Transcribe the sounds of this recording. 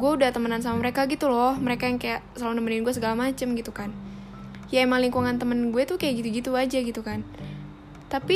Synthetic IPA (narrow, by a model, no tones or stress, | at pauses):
ɡuɛudaht̪əmənans̬amaməɾekaɡit̪ulɔhməɾekajaŋkajaʔsəlalunəmənɪnɡuɛs̬əɡalamat͡ʃəmɡit̪ukan | jaɛmaŋliŋkuŋant̪əmənɡuɛt̪ukajaʔɡit̪uɡit̪uad͡ʒaɡit̪ukan | t̪api